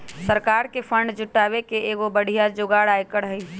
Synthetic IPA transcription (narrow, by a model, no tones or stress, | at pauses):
səɾkaːɾkefʰə̃ɳɖd͡ʒʊʈaːʋekeeːɡobəɽ̤ʱijad͡ʒoɡaːɽaːjkəɽɦəi